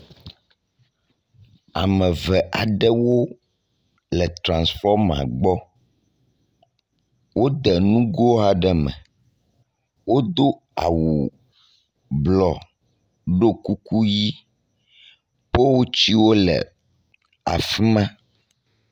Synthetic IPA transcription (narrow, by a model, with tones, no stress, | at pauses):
a˨mɛ̃˨vɛ˨ʔa˨ɖɛ˦wo˦ | lɛ˨t̪ɾã˨nsfɔ˦ɾmã̰˨ɡ͡bɔ˦ | wo˦d̪ɛ˨nũ˦ɡo˦a˨ɖɛ˦mɛ̰̃˨ | wo˦d̪o˦ | a̰˨wu˨ | blɔ˨ | ɖo˦ku˦ku˦ji˦ | pe˦wo˦t͡ɕi˦wo˦lɛ̰˨ | a̰˨fi˦mã˦